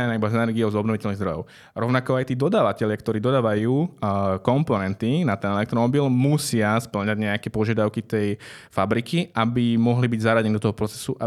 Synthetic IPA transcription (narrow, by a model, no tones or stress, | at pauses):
anaibazɛnɛɾɡiɔʊzɔbnɔʋicɛlniɣzd̪ɾɔjɔʊ | ɾɔʊnakɔajt̪iːd̪ɔd̪aːʋacɛʎɪakt̪ɔɾiːd̪ɔd̪aːʋajuːkɔmpɔnɛnt̪inat̪ɛnɛlɛk̚t̪ɾɔmɔbilmusɪaspl̩ɲaɟɲɛakɛpɔʒɪad̪aʊkit̪ɛjfabɾikiʔabimɔɦlibiɟzaɾaɟɛnid̪ɔt̪ɔɦɔpɾɔt͡sɛ̥suʔa